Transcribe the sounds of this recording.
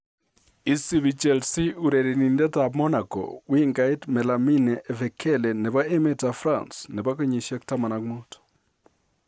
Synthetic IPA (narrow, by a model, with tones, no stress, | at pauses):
i˨si˦βi˨t͡ʃɛlsi˦u˨ɾe˨ɾe˨ni˨ndɛ˦tamɔ˦na˨kɔ̰˨wi˦ŋɡai˦tmɛ˨la˨mi˦nɛʔːvɛ˨kʰɛ˦lɛ˨nɛ˨βa˦e˦me˦ta˨fɾa̰˨nsnɛ˨ba˦ke˦ɲi˨ʃja˦k̚ta˦ma˨na˨kmo˦to̥